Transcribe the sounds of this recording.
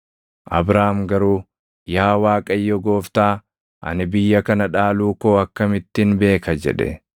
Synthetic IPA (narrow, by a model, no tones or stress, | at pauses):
ʔɐ̰bɾaːmɡɐɾuː | jaːwaːkʼɐjːɔɡo̞ːft̪aː | ʔɐ̰nɪbɪjːɐkɐnɐᶑaːluːko̞ːɐkːɐmɪt̪ːɪnbe̞ːkɐd͡ʒɛ̰ᶑɛ̰